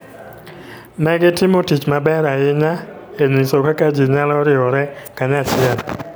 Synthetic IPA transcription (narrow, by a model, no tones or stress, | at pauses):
nɛɡɪtɪmotit͡ʃmabɛɾaɪɲaenisokakad͡ʒiɲalɔɾɪɔɾɛkaɲat͡ʃɪɛn